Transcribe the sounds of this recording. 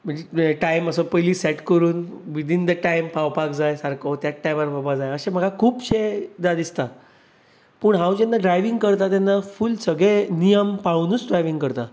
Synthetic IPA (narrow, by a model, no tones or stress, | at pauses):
m̤əɳd͡ʑeʈajməsəpəjliːsɛʈkəɾuːnʋid̪ʱind̪əʈajmpawpakd͡zajsaɾkʰot̪jaʈːajʋaɾpawpad͡zajəɕem̤əɡʱakʰuːpɕed̪ad̪ist̪a | pəɳɦãwd͡ʑenːaɖɾajʋiŋɡkəɾt̪at̪janːafulsəɡɭenijəmpaɭunuːt͡sɖɾajʋiŋɡkəɾt̪a